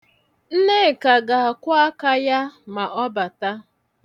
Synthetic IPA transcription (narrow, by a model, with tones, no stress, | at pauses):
n̩˦ne˦˨ka˨ɡa˨a˨kʷʊ˦a˦ka˦ja˦ma˨ʔɔ˦ba˨ta˦